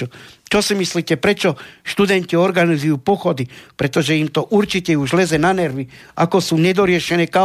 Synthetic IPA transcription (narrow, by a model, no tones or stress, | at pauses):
ut͡ʃosimislit̪epɾet͡ʃoʃt̪ud̪ent̪io̞ɾɡanizujupoxod̪ipɾe̞t̪o̞ʒeimt̪oʔuɾt͡ʃit̪euʒlezenaneɾʋia̰ko̞suned̪oɾjeʃeneka